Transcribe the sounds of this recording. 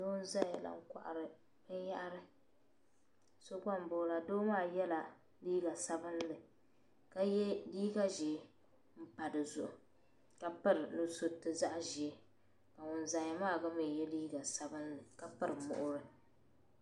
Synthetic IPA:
doː˦n̩˦za˦ja˨la̰˨ŋ̩˦kʷa̰˨ʔa̰˨ɾɨ˨ | bɨ˦ja˦ʔɾɨ˦ | so˦ka˦m˦bʊ˨˦˨la˨doː˦maː˦˨jɛ˦la˨ | liː˦ɡa˨sa˦bɨ˦n˦lɨ˨ | ka˦jɛ˦liː˦ɡa˦ʒɪ˨˦ | m̩˦pa˨dɨ˨zʊ˨ʔʊ˨ | ka˦pɨ˦ɾɨ˨nɨ˦so˦tɨ˨za˦ʔʒɪ˨˦ | ka˨ŋʊ˨n˨za˨ja˨maː˦˨ɡa˦mɪ˨jɛ˦liː˦ɡa˨sa˨bɨ˦nlɨ˨ka˦pɨ˦ɾɨ˨mʊ̰˨ʔʊ˦ɾɨ˨

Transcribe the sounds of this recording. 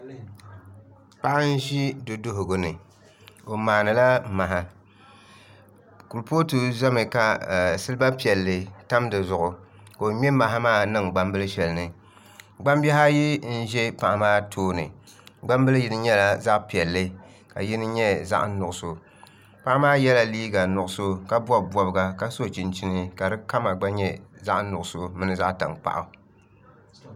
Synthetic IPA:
pa˦ʔa˦n̩˦ʒi˦do˨do˦ɦʊ˨ɡo˨nɨ˨ | o˨maː˨nɨ˨la˦ma˨ɦa˦ | ku˨lpoː˦tu˦za˦mɨ˨ka˨sɨ˦lɨ˦ba˦pi˨ɛ˨lːɨ˨ta˦mdɨ˨zʊ˨ʔʊ˨ | ka˨o˨ɲɛ˦ma˨ɦa˦maː˦˨nɨ˦ŋɡ͡ba˦mbɨ˦lɨ˦ʃɛ˨lɨ˨nɨ˨ | ɡ͡ba˦mbɛ˦ɦa˦ji˦n̩˦ʒɛ˦pa˨ʔa˨maː˦tʰoː˦nɨ̰˨ | ɡ͡ba˦mbɨ˦lɨ˦ji˦nɨ˦ɲɛ˦la˦za˦ʔpi˨ɛ˨lːɨ˦ | ka̰˨ji˦nɨ˦ɲɛ˦za̰˦ʔnʊ˨ʔʊ˨so˨ | pa˦ʔa˦maː˦jɛ˦la˦liː˦ɡa˨nʊ˨ʔʊ˨so˦ka˦bwɔ˦bɔ˨bɨ˨ɡa˨ka˦so˦t͡ʃi˨nt͡ʃi˦nɨ˦ka˨dɨ˦ka˦ma˨ɡ͡ba˦ɲɛ˦za˦ʔnʊ˨ʔʊ˨so˦mɨ˦nɨ˦za˦ʔta̰˨ŋk͡pa̰˨ʔa˨

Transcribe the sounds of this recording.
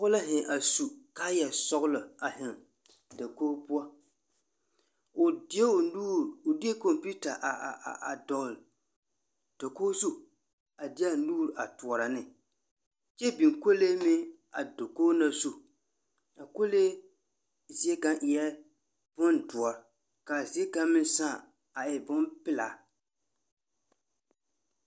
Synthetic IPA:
ʊ˦la˦ɦɪ˨ʔa˨su˨ka˦jɛ˨sɔ˦ɣʊ˦lʊ˨a˨ɦɪ˨ŋ | da˨koː˦bʊ˦a˦ | ʊ˨dɪ˦ɛ˦˨nuː˦ɾʊ˨dɪ˦e˦ko˨mpi˦ta˨ʔa˨a˨dɔ˨ɣl | d̥o˨koː˦zu˦ | a˨dɪ˦a˦nuː˦ɾa̰˨tu˨ɔ˨ɾa˨nɪ˦ | t͡ʃɛ˦bi˨ŋko˦le˦mɪ˦ | a˨do˨koː˦na˦su˦ | a˨ko˦le˦ | zi˦e˦ka˦nʔɪ˨ɛ˦ | b̥ʊ˦ndʊ˨a˦ | ka˨zi˨˦e˦ka˦mɪ˦n˦sã˦˨ | a˨ʔɛ˨bʊ˦mpɪ˦la̰˨

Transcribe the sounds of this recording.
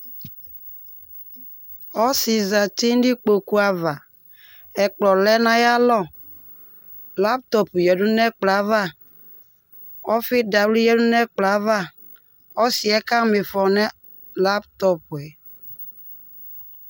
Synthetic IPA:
ɔ˦si˨za˨ti˦n˦di˦k͡po˨ku˦a˨va˨ | ɛ˨k͡plɔ˨lɛ˦nã˦ja˦lɔ˦˨ | la˦p̚t̪ɔ˨pjɛ˨du˦nɛ˦k͡pla˨˦va˦ | ɔ˦fɪ˦da˨wli˦jɛ˦du˦nɛ˦k͡pla˨˦va˦ | ɔ˦si˨ɛ˦ka˦mɪ˨fɔ˨nɛ˦ | la˦pt̪ɔ˦pɛ˨

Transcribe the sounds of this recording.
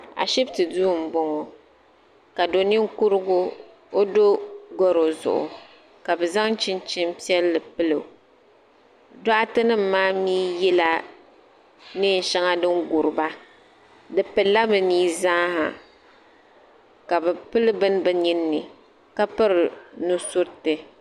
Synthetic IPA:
a̰˨ʃi˦btɨ˨duː˦˨m̩˨bɔ˦ŋɔ˨ | ka˨do˨ni˦ŋ˦ku˦ɾɨ˦ɡʊ˦ | o˦do˦ɡɔ˦ɾo˨zʊ̰˨ʔʊ̰˨ | ka˨bɛ˨za˦ŋ˦t͡ʃɪ˦n˦t͡ʃɪ˦m˦pi˦ɛ˦lːɨ˨pɨ˦lɨ˨ | dɔ˦ʔa˦tɨ˦nɨ˦m̩˦˨maː˦miː˦jɛ˦la˦ | nɨ˦n˨ʃa˦ŋa˦dɨ˦ŋɡu˨ɾɨ˨ba˦ | dɨ˨pɨ˨lːa˦bɨ˨niː˦za˦ha̰˨ | ka˨bɛ˨pɨ˦lɨ˦bɨ˦n˦bɨ˨ɲi˦nːɨ˨ | ka˦pɨ˦ɾɨ˨nu˦sʊ˦ɾtɨ˨

